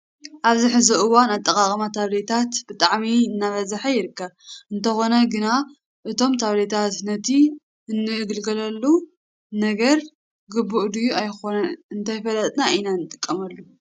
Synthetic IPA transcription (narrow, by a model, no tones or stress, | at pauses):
ʔaβziħɨzɐʔɨwanat̪ʼːɐkʼakʼmat̪ʰaβle̞t̪ʰat̪b̥ɨt̪ʼaʕmiɨnːaβɐzaħajɪɾɨkʰːɐβɨnt̪ʰɐxo̞nɐɡɨna | ʔɨt̪ʰo̞mt̪ʰaβlet̪ʰat̪nɐt̪ʰi | ɨnːɨʔɨɡɨlɡɐlɐlːu | nɐɡɐɾ | ɡɨbːuʔd̪ujuajxo̞nɐɨnt̪ʰajfɐlɐt̪ʼnaʔinanːɨt̪ʼɨkʼːɐmɐlːu